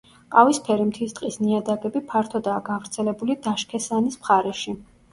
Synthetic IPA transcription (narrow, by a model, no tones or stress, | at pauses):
qʼavispʰɛɾimt̪ʰist̪ʼqʼisniad̪aɡɛbipʰaɾt̪ʰɔd̪aːɡavɾt̪sʰɛlɛbulid̪aʃkʰɛsanismχaɾɛʃi